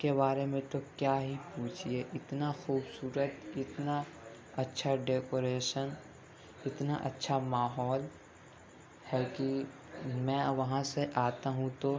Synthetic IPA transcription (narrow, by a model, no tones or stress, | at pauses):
kebaːɾemẽt̪okjaːɦipũːt͡ʃʰieʔɪt̪naxuːbsuːɾət̪ɪt̪na | ɐtːʃʰaɖeːkoːɾeːʃən | ɪt̪naʔɐ̰tːʃʰamaːɦɔːl | hɛlki | mɛ̃ːʋɐɦãseʔaːt̪aɦũt̪o